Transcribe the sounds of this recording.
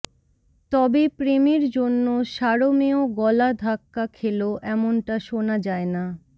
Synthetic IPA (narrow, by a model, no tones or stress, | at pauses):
t̪ɔbepɾemeɾd͡ʑonːoʃaɾomeoɡɔlad̪ʱakːakʰeloʔɛmonʈaʃonad͡ʑaena